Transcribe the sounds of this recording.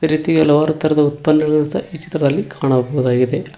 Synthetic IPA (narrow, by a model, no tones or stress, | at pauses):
t̪ɐɾit̪ːiɡɐlɐʋaːɾut̪ːɐɾɐd̪ɐut̪pɐnːɐiɐsɐ̰ʔiːt͡ʃi̥t̪ɾɐðɐlːikʰaːɳɐboɣuðaːɡid̪e